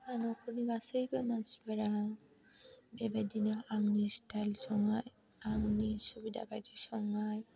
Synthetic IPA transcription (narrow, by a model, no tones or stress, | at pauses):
anɔkuniɡasejbamasbɛɾa | bɛbad̪inaʔaŋnistajlsɔŋaj | aŋnisubid̪a̰badiʃɔŋaj